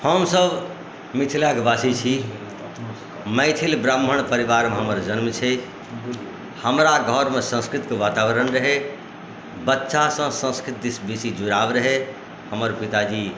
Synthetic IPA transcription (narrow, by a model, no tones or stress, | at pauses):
həmsəb | mit̪ʰilakbasit͡ʃʰi | məjt̪ʰilbɾəmːəɳ̃pəɾiʋaɾmeɦəməɾd͡ʒənmt͡ʃʰɛ | həmɾaɡʱəɾmesə̃nskɾit̪kʋat̪aʋəɾənɾəɦe | bətːʃasə̃sə̃nskɾit̪̚d̪isbisid͡ʒuɾabɾəɦe | həməɾpit̪ad͡ʒi